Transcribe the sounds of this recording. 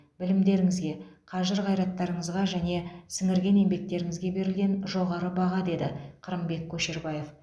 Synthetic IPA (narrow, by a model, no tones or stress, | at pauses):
bɪlɪmd̪e̞ɾɪŋɪzɡʲe̞qʰɑʒəɾʁɑjɾɑt̪ːɑɾəɴəzʁɑʒæne̞sɪŋɪɾɡʲe̞ne̞mbe̞k̚t̪e̞ɾɪŋɪzɡʲe̞be̞ɾɪlɡʲe̞nʒo̞ʁɑɾəbɑʁɑd̪e̞d̪ɪ̰qʰəɾəmbe̞kʲʰːɵʃe̞ɾbɑje̞f